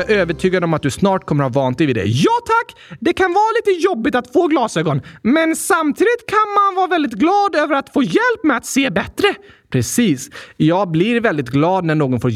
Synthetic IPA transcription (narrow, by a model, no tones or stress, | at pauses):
øːvəʈʰyːɡad̪əɔmat̪̚d̪ɵsnɑːʈ̚kʰɔmːəɾhɑːvɑːnt̪d̪ɛjvɪd̪ɛ̰jɑːt̪ʰakːd̪ɛkʰanvɑːɾliːt̪əjɔbːɪt̪at̪foːɡlɑːsøːɡɔnmɛnsamt̪ʰiːd̪ɪt̪kʰanmanvɑːɾavɛld̪ɪt̪ɡlɑːd̪øːvəɾat̪foːjɛlpːmɛat̪seːbɛt̪ɾə | pʰɾɛsiːsjɑːɡ̚blɪɾvɛld̪ɪt̪ɡlɑːd̪næɳoːɡɔnfoː